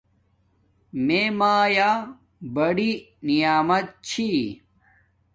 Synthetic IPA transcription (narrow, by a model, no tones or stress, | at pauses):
memaːjaː | bɐɽi | nijaːmɐt̪̚t͡ɕʰi